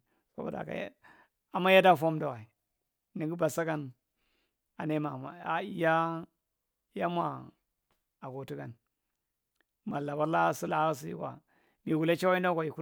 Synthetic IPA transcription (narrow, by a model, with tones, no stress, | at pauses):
ko̰˦ba̰˨da̰˨ka̰˨j̰ | a˨mːa˦ja˦da˦˨fo˦mda˨wa˨i˨ | ni˨ɡi˦ba˨sa˦ka˦˨n | a˨ne˦ma˨ma˨˦ja˦ | ja˦mʷa˨ | a˨ɡo˨tu˦ka˨n | ma˨lːa˨ba˦ɾla˦su˦la˨˦ɣa˦s̬i˦ḭ˦kʷa̰˨ | ni˨ɡu˨la˦t͡ʃa˦wa˦i˦nda˦ka˨i˨ku˦